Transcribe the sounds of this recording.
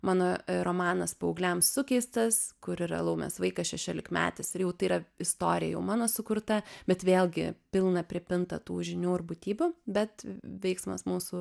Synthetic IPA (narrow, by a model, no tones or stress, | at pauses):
mɑːnoːɾomɑːnɐspoʊɡlʲɛmsʊkʲɛɪst̪ɐskʊɾɪɾɐ̰lˠɐʊmʲɛ̰sʋɐɪkɐsʃʲɛʃʲoːlʲɪkmʲæ̰ːt̪ʲɪsɪɾjɛʊt̪ɐɪiɾɐɪst̪oːɾʲɪjɛ̰jɛʊmɑːnoːsʊkʊɾt̪ɐbʲɛt̪ʋʲeːlʲˠɡʲɪ̰pʲɪlˠnɐpʲɾʲɪpʲɪnt̪ɐt̪uːʒʲɪnʲuːɪrbʊt̪ʲiːbʲʊbʲɛt̪ʋʲɛɪksmɐ̰smuːsʊ